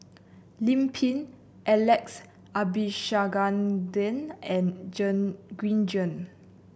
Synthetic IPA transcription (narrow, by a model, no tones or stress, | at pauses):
lĩmpʰĩn | ʔɛlɛks | abiʃaɡãndɛ̃nɛ̃nd͡ʒə̃nɡɹĩnd͡ʒə̃n